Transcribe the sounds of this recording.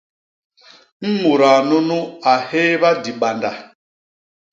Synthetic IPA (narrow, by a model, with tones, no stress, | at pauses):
m̩˦mu˨ɾa˨nu˦nu˦a˨he˦βa˦di˨ɓa˨nda˨